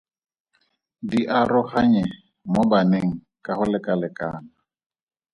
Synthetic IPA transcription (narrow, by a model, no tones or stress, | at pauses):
diʔaɾʊhaɲɛ | mobaneŋ̩ | kʼahʊlɛkʼalɛkʼaːna